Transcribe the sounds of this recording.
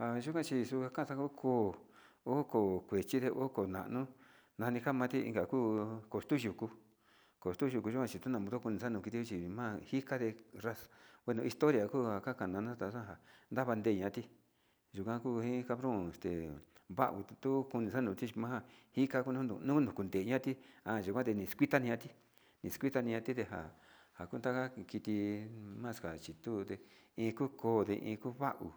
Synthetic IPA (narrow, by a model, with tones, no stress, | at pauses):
a˧ʒu˦kã˦t͡ʃi˧su˧ka˧kã˦˧sa˧ku˦kʰoː˦˨ | o˦ko˨kʷe˨t͡ʃi˦ðe˧ʔo˦ko˨nã̰˨ʔnũ˦ | nã˧nĩ˧ka˦mã˧t̪i˦ḭ˧ŋɡa˨kuː˦ko˨st̪u˦ʒu˨ku˧ | ko˨st̪u˦ʒu˧ku˧ʒu˦kʷã˧t͡ʃi˧t̪u˦nã˧˨mũ˧t̪o˦ku˧nĩ˧sa˦nũ˧ki˧t̪i˧˦o˦t͡ʃi˧mã˦hi˦ka˦ðe˧ra˦sḁ˨wʷe˧nũ˧i˧st̪o˦ɾja˨kuː˦ha˨ka˦ka˨nã˨˧nũ˦t̪a˨˧sã˦˧ɦa˨nd̪a˦βa˧nd̪e˧˨ɲã˧˦˧t̪i˧ | ʒu˨kʷã˧ku˦˧hĩ˦ka˧βɾõː˦˨e˨st̪ḛ˨βa̰˦ʔṵ˨tt̪u˦ku˧nĩ˧sa˦nũː˨˧t̪i˦t͡ʃi˧mã˦a˧hi˦ka˧ku˦nũ˦nṵ̃˧nũ˦nũ˨ku˧nd̪e˨˧ɲã˦t̪i˦ã˧˨ʒu˨kʷã˦t̪e˧nĩ˨˧skʷi˦t̪a˦nĩ˧ɲã˧t̪i˦ | nĩ˨skʷi˦t̪a˧nĩ˧ɲã˧t̪i˦t̪e˧ɦa̰˨ | ha˨ku˦nt̪a˦ka˦ki˧t̪i˧mã˦˧ska˨t͡ʃi˨t̪u˦t̪e˧ĩː˧kuː˦koː˦d̪e˧ʔḭ̃ː˧ku˦βa˦ʔṵ˨